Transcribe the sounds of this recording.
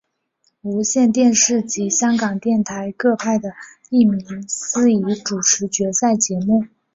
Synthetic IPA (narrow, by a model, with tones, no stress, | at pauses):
u˧˥ɕjɛ˥˧nt̪̬jɛ˥˧nʂɻ̩˥˩t͡ɕi˧˥ɕjɑ˥ŋkɑ˨˩ŋt̪jɛ˥˩nt̪ʰa˧˥ɪkɤ˥˧pʰa˥˩ɪd̪ə˩ | i˥˩mi˧˥ŋsɹ̩˥i˧˥ʈ͡ʂu˨˩ʈ͡ʂʰɻ̩˧˥t͡ɕɥɛ˧˥sa˥˩ɪt͡ɕjɛ˧˥mu˥˩